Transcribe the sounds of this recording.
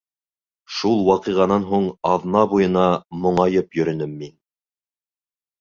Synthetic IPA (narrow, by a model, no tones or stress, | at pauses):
ʃulˠwɑqiʁɑnɑnɦuɴɑðnɑbujɤ̆nɑmŏɴɑjɤpjɵ̆ɾɘ̆nɘmːin